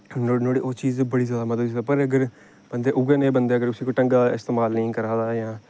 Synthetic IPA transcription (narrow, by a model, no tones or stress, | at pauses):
nonoːɽḛːʔoːt͡ʃiːzbəɽiːzjaːd̪aːmət̪ləbsd̪apəɾəɡəɾ | b̥ənd̪eːʔʊɡeːnẽːbənd̪eːəɡəɾʊsiːkoːʈəŋɡaːɪst̪eːmaːlnĩːkəɾãːd̪aːjãː